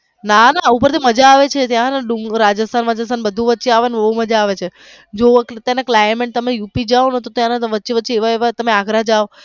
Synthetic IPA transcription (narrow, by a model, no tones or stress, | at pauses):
nanaupəɾt̪ʰiməd͡ʒaːʋet͡ʃʰet̪jãnɖuŋɾad͡ʒəst̪ʰanʋad͡ʒəst̪ʰanbəd̪ʱũʋətːʃeaʋanbəuməd͡ʒaːʋet͡ʃʰe | d͡ʒokt̪jãnaklajmeɳʈ̚t̪əmejupid͡ʒaonət̪ot̪jãnaʋətːʃiʋəʃʰiːʋaeʋat̪əmeaɡɾad͡ʒao